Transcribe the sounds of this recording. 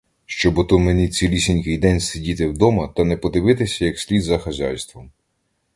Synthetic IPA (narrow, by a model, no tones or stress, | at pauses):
ʃt͡ʃɔbɔt̪umenʲit͡sʲilʲisʲɪnʲkɪjd̪ɛnʲsʲedʲit̪ɪwd̪ɔmɐt̪ɐnɛpɔd̪ɪʋɪt̪ɪsʲɐjɐksʲlʲid̪zɐxɐzʲɑ̰jst̪ʋɔm